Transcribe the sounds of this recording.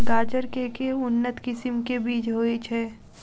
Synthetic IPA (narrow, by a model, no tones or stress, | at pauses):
ɡaːd͡ʒəɾkekeʊnːət̪kɪsɪmkebiːt͡ʃɦoːit͡ʃʰɛː